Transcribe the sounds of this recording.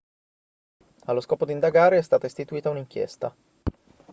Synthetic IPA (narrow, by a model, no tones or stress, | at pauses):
alːoskɔːpod̪ind̪aɡaːɾeɛst̪aːt̪aeist̪it̪uiːt̪auniŋk̟jɛ̰st̪a